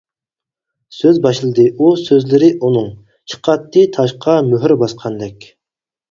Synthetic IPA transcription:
søzbɑʃlˠɨd̪ɨʔusøzlɪɾɪʔunɨŋ | t͡ʃʰə̥qʰɑt̪ːɨt̪ʰɑʃqʰɑmøɦɪɾbɑsqʰɑnd̪ɛkʲ

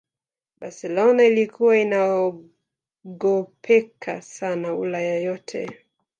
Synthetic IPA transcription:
basɛlɔnailikuwainaɔ | ɡɔpʰɛkʰasanaṵlajɔjɔtʰɛ̰

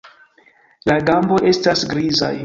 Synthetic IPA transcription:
laɡambo̞ʔe̞stasɡɾiza̰j

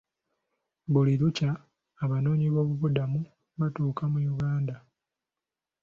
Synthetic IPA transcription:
buliɾucaː | βano̞ːɲiβo̞ːβuβudamu | βatuːkamujuɡaːnda

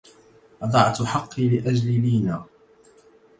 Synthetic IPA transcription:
ʔɑd̪ˤɑʕt̪ħɑqːilɪʔad͡ʒlɪliːnaː

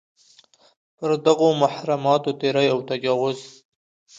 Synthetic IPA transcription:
pəɾd̪aɣomaħɾamɑt̪ot̪eɾəjawt̪ad͡ʒɑwʊz

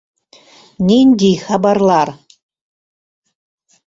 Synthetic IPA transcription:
nʲinʲd̪ʲijxɑbɑrlˠɑr

